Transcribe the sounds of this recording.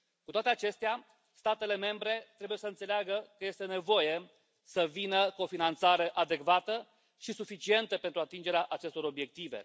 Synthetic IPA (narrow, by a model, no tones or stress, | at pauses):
kut̪oat̪e̞at͡ʃe̞st̪ea | st̪at̪e̞le̞me̞mbɾe̞t̪ɾe̞buje̞səɨnt̪seleaɡəkəje̞st̪ene̞vo̞je̞ | səvinəkuo̞finant̪saɾe̞ʔad̪e̞kvat̪ə | ʃisufit͡ʃie̞nt̪əpent̪ɾuat̪ind͡ʒe̞ɾeaʔat͡ʃe̞st̪o̞ɾo̞bje̞k̚t̪ive̞̰